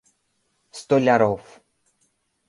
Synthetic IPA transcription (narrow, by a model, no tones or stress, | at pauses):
st̪olʲaɾof